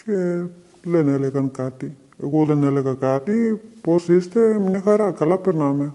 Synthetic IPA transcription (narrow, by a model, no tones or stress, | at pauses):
t͡ʃe | lenelekɐnkaːt̪i | ḛkolenelekakaːt̪iposist̪emnikaɾakɐlapəɾnaːme